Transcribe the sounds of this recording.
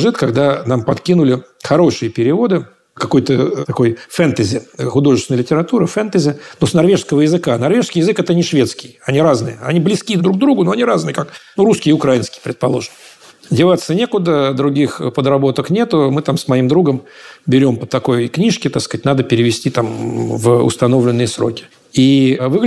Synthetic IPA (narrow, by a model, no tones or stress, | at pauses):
ʐɨt̪kɐɡd̪anampɐt̪kʲinʊlʲɪxɐɾo̞ʂɨjəpʲɪɾʲɪvo̞d̪ɨ | kɐko̞jt̪ət̪ɐko̞jfɛnt̪əzʲɪxʊd̪o̞ʐɨsʲnəlʲɪtʲɪɾɐt̪uɾəfɛnt̪əzʲɪnosnɐrvʲe̞ʐskəvəjɪzɨkanɐrvʲe̞ʐskʲɪjɪzɨkɛt̪ənʲɪʂvʲe̞t̪skʲɪjɐnʲiɾaznɨjəɐ̰nʲiblʲɪskʲid̪ɾuɡ̚d̪ɾuɡʊnoɐnʲiɾaznɨjəkaknuɾuskʲɪjɪʊkɾajinskʲɪjpɾʲɪt̪̚pɐlˠo̞ʐɨn | dʲɪvat̪sːənʲe̞kʊd̪əd̪ɾʊɡʲixpəd̪ɾɐbo̞t̪əknʲe̞t̪ʊmɨt̪amsmɐimd̪ɾuɡəmbʲɪɾʲo̞mpət̪ɐko̞jknʲiʂkʲɪt̪akskatʲnad̪əpʲɪɾʲɪvʲɪsʲtʲit̪amvʊ̰st̪ɐno̞vlʲɪnːɨjəsɾo̞̰kʲɪ̥ | ivɨɡ